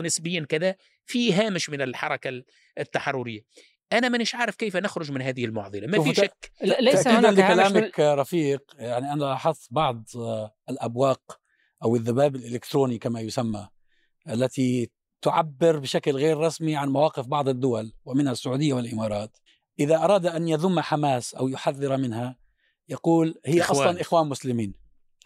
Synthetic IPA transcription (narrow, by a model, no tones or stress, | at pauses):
nɪsbɪjːankɪða | fiɦaːmɪʃmɪnɪlħɑɾˤɑka | t̪ːaħɑrˤːʊɾɪjːa | ʔanamɪnɪʃʕaːɾˤɪfkejfanɪxɾʊʒmɪnɦaːðɪhɪlmʊʕðˤɨlamafiʃak̪ːaʔiːʕɪnd̪kːalaːmakɾˤɑfiːqjaʕniʔanaʔɑħɑsˤːbɑʕd̪ˤɪlʔabwɑːq | ʔawɪðːabaːbɪlʔɪlɪkt̪ɾuːnikamajʊsamːa | ʔalːat̪i | t̪ʊʕabːɪɾbɪʃaklɣeːɾːˤɑsmiʕanmawɑːqɪfbɑʕd̪ˤɪd̪ːʊwalwɪmɪnhasːʊʕuːd̪ɪjːawɪlʔɪmɑːɾˤɑːt̪ | ʔɪðaʔɑɾˤɑːd̪ʔanjaðʊmːaħamaːsʔawjʊħaðːɪɾamɪnha | jɑquːlhɪjːaʔɑsˤlɑnʔɪxwaːnmʊslɪmiːn